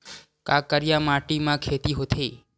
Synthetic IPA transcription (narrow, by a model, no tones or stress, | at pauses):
kakəɾjamaʈimãkʰet̪iɦot̪ʰe